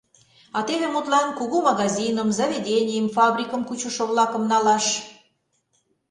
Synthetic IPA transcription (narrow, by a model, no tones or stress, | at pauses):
ɑt̪eβemut̪lɑnkuɣumɑɣɑzʲinəmzɑβʲedʲenʲijəmfɑbrʲikəmkut͡ɕoʃŏβlɑkə̆mnɑlɑʃ